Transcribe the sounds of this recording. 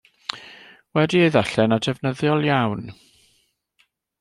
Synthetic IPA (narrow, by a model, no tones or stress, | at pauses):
wɛdieɨðaɬɛnadɛvnəðjɔlˠjawn